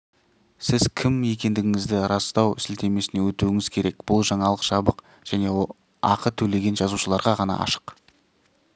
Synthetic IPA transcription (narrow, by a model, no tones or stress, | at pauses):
sɪz̥kʲʰɪmje̞kʲe̞nd̪ɪɡʲɪŋɪzd̪ɪɾɑst̪ɑwsɪlt̪ʰe̞me̞sɪne̞wɵt̪uɪŋɪz̥kʲʰe̞ɾe̞kb̥ʊlˠʒɑɴɑlˠəqʃɑbəq | ʒ̥æne̞ | ɑqət̪ʰɵle̞ɡʲe̞nʒɑzuʃəlˠɑɾʁɑʁɑnɑ̰ʔɑ̰ʃə̥q